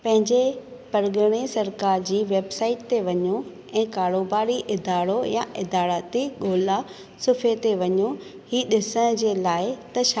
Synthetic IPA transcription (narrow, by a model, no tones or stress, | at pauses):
pɐ̃ɦɪ̃ɲd͡ʑe | pɐɾɡəɽ̃esɐɾkaːɾd͡ʑiːʋeːbsaːɪʈ̚t̪eʋɐɲo | ɛ̃ːkaːɾoːbaːɾiʔɪd̪aːɾoja̰ʔɪd̪aːɾət̪iɠoːla | sʊfʰet̪eʋɐɲo | hiːɗɪsəɽ̃d͡ʑeːlaːɪt̪ɐʃ